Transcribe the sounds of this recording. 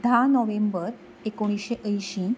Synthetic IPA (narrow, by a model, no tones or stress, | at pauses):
d̪ʱanɔʋembəɾ | ekoɽ̃iɕeʔəjɕĩ